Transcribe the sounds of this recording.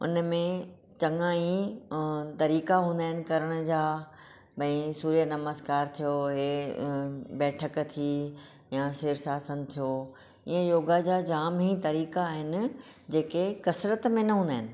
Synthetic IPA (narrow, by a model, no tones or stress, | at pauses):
ʊ̰nəmẽ | t͡ɕɐ̃ŋãːĩ | t̪ɐɾiːkaɦũːnd̪aːɦɪnɪ̆kɐɾəɽ̃d͡ʑaː | bɐ̃ĩsuːɾijənɐməskaːɾt̪ʰijoɦe | bɛːʈʰəkt̪ʰi | jaseːɾsaːsənt̪ʰijo | iːə̃joːɡad͡ʑaːd͡ʑaːmɦĩt̪ɐɾiːkaːɦɪnɪ̆d͡ʑeːkekɐsɾət̪mẽnɐɦũːnd̪aːɦɪnɪ̆